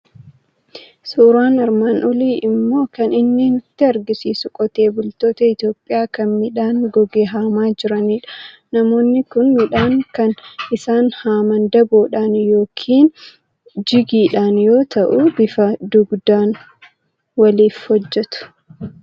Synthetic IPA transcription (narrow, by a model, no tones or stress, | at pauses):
suːɾaːnɐɾmaːnʔɔliːʔɪmːo̞ːkɐnɪnːiːnɪt̪ːɪɐɾɡɪsiːsʊkʼɔt̪e̞ːbʊlt̪o̞ːt̪ɐɪt̪jo̞ːpʼːɪjaːkɐnmɪᶑaːŋɡɔɡeːɦɐmaːd͡ʒɪɾɐniːᶑɐ̥ | nɐmo̞ːnːɪkʊnmɪᶑaːŋkɐnʔɪsaːnhaːmɐnd̪ɐboːᶑaːnjo̞ːkʰiːn | d͡ʒɪɡiːᶑaːnjo̞ːt̪ɐʔʊbɪfɐd̪ʊɡd̪aːn | wɐliːfhɔd͡ʒːɛt̪ʊ̥